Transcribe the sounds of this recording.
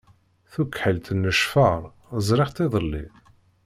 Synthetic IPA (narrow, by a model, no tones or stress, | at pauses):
θukːħəlt̪nːəʃfəɾˤ | əzˤɾɪʁt̪ˤɪðˤəlːḭ